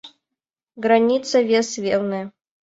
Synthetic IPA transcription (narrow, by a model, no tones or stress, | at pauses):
ɡɾɐnʲit̪sɐvʲesvʲelˠnɨjɐ